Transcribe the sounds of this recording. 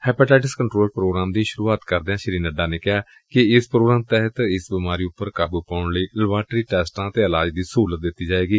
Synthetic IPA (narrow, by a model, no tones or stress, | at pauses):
hɛːpaːʈaːʈəskəɳʈɾoːlpɾoːɡɾaːmd̪iːʃʊɾuːaːt̪kəɾd̪eːãːʃəɾiːnəɖaːneːkɪjaː | kɪɪspɾoːɡɾaːmt̪ɛɦət̪ɪsbɪmaːɾiːʊpːəɾkaːbuːpaːʊɳləiːləbaːʈɾiːʈɛːsʈãːt̪eːɪlaːd͡ʒd̪iːsuːlət̪̚d̪ɪt̪ːiːd͡ʒaːeːɡiː